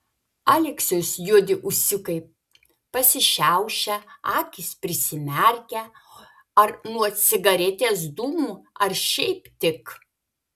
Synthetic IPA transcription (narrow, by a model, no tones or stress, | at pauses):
ɑːlʲɛksʲʊsjuɔd̪ʲɪʔʊʃʲsʲɪkɐɪ | pɐsʲɪʃʲæʊʃʲɛɑːkʲɪspʲɾʲɪsʲɪmʲɛɾʲkʲɛ | ɐɾnuɔt̪sʲɪɡɐɾʲɛt̪ʲeːsd̪uːmuɐɾʃʲɛɪpt̪ʲɪk